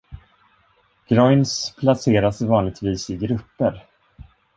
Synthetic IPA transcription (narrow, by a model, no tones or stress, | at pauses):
ɡ̥ɾɔjnspʰlaseːɾasvɑːnlɪɡ̚t̪viːsɪɡɾɵpːəɾ